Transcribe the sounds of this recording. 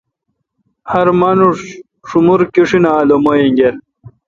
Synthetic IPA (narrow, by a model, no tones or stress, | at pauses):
hɐɾmanuʂ | ʂumuɾkiʂinaːlomojiŋɡeɾ